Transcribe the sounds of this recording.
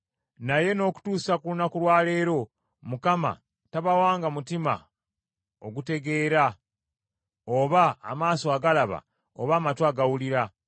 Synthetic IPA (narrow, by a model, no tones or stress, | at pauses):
naje̞no̞ːku̥tuːsakulunakulwaːle̞ːɾo̞ | mukama̰ | taβawaːŋɡamutima̰ | o̞̰ɡute̞ɡe̞ːɾa | oβa̰ːmaːsoaɡalaβa̰ | oβaːmatwaɡawuliɾa